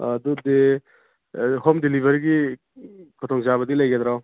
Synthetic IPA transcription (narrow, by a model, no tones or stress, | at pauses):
ɐd̪ud̪e | hɔmdilibʱɐɾɡi | kʰɔt̪ʰɔŋzaβɐd̪ilɐjɡɛd̪ɾaw